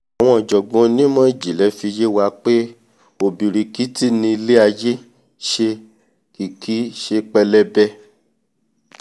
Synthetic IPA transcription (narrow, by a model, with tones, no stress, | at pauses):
a˨w̃ɔ̃˧˦ɔ˨d͡ʒɔ˨ɡ͡bɔ̃˨˦nĩ˦mɔ̃˦˨d͡ʒi˨lɛ˨˦fi˧je˦wa˧k͡pe˦ | o˨bi˨ɾi˨ki˦ti˦nĩ˧i˧le˦a˧je˦ | ʃe˧ | ki˨kʰi˨˦ʃe˧k͡pɛ˧lɛ˦bɛ˦